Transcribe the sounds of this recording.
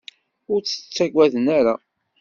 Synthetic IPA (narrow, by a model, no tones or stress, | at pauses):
ʊɾt͡sːə̥t͡sːæɡʷæðənæɾa